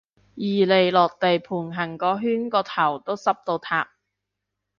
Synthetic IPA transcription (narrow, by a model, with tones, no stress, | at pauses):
jiː˨˩le˨jlɔː˨k̚t̪e˨jpʰuː˨˩nɦɐ˨˩ŋkɔː˨˧ɦyː˥nkɔː˧t̪ʰɐ˨˩wt̪o˥wsɐ˥p̚t̪o˧wt̪ʰa̰ː˧p̚